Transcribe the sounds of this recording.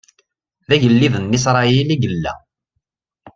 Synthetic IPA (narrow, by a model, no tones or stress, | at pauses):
ðæʝəlːiðənːis̬ɾˤɑiliɡəlːæ̰